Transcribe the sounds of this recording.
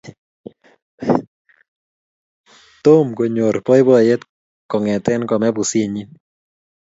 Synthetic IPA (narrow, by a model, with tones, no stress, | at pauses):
t̪o˦mko˨ɲo˨rpɔ˦jbɔ˦˨je˦t̪ | kɔ˨ŋɛ˨tɛ˦nkɔ˨mɛ˦bu˨si˦ɲi˦